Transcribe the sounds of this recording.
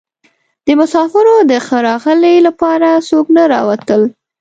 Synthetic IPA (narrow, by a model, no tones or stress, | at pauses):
d̪əmʊsɑfɪɾod̪əxəɾɑɣəlelapɑɾasoɡnaɾɑ̰wat̪əl